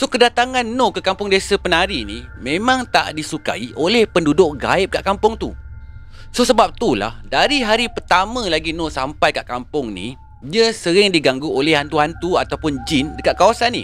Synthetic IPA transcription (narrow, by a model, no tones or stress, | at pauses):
sokədat̪aŋanːokəkampʊŋdesapənaɾinimẽmãŋt̪a̰ʔdisuka̰iʔolɛhpəndudʊʔ̚ɡa̰ɪp̚kaʔkampʊŋt̪u | sosəbap̚t̪ula̰hdaɾiɦaɾipərt̪amãlaɡinosampajkaʔkampʊŋnḭ | diəsəɾɪŋdiɡaŋɡuolɛhant̪uɦant̪uat̪awpʊnd͡ʒɪndəkat̪̚kawasanːḭ